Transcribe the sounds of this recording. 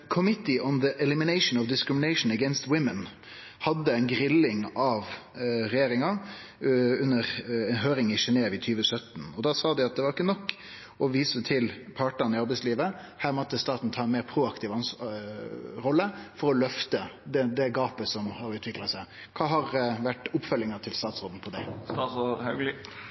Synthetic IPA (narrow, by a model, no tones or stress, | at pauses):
kʰʊmɪt̪ɪʔɔnðəʔɛlɪmɪneɪʃn̩ɔʋd̪ɪskɾɪmɪnæɪʂnəɡɛnst̪wɪmən | hɑd̪ːəæɪnɡɾɪlːɪŋɑʋɾɛjeːɾɪŋɑ | ʉnːəɾɛnɦøːɾɪŋɪʃɛneːʋɪt̪ʰyːʋəsœt̪n̩ɔd̪ɑːsɑːd̪ɪɑt̪̚d̪ɛʋɑɾɪkːənɔkː | ɔʋiːsət̪ʰɪlpʰɑʈənɪɑɾbɛɪtsliːʋə | hæːɾmɔt̪ːəst̪ɑːt̪n̩t̪ʰɑːɛnmeːɾpʰɾuːɑkt̪ʰiːʋɑns | ɾɔlːəfɔɾɔlœft̪əd̪ɛd̪ɛɡɑːpəsɔmhɑɾʉːt̪ʰʋɪklɑsæɪ | kʰɑːɦɑɾʋæʈʊpfœlːɪŋɑt̪ʰɪlst̪ɑːt̪sʁoːd̪n̩pʰɔd̪æɪsɔɑɡlɪ